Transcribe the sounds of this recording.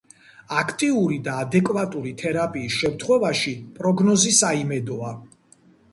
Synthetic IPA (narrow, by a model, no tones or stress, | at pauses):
akʰt̪ʼiuɾid̪aːd̪ɛkʼvat̪ʼuɾit̪ʰɛɾapʼiːsʃɛmt̪ʰχwɛvaʃipʼɾɔɡnɔzisaimɛd̪ɔa